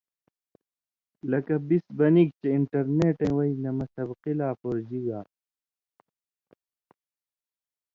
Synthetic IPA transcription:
lɐkɐbisbɐnik̚t͡ɕeiɳʈɐɾneːʈẽːwɐinɐmɐsɐbqilaːpoːɾd͡ʑiɡaː

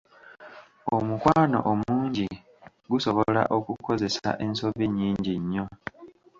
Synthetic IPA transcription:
omukwaːno̞̰ʔomuːɲɟi | ɡuso̞βo̞la̰ʔo̞kuko̞ze̞sa̰ʔe̞nso̞viɲːiːɲɟiɲːo̞

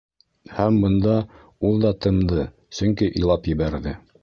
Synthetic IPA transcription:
hæmbɤ̆nd̪ɑ | ulˠd̪ɑt̪ɤ̆nd̪ɤ | sɵ̆ŋkiʔilˠɑpjɘ̆βæɾðɘ

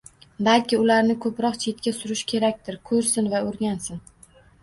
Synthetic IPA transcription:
balkʲɪʊlaɾnɪkʰɵpɾɒqt͡ʃʰe̞t̪̚kʲasʊɾɪʃkʲʰe̞ɾakʲt̪ɪɾkʰɵɾsɪnvaɵɾɡʲansɪn

